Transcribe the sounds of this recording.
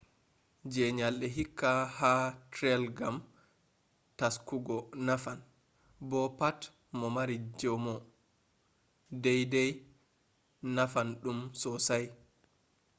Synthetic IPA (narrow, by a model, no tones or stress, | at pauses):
d͡ʒɛɲalɗɛɦikːahatɾɛlɡam | taskuɡɔnafan | bɔpat | mɔmaɾid͡ʒɔmɔ | dɛjdɛj | nafanɗumsɔsaj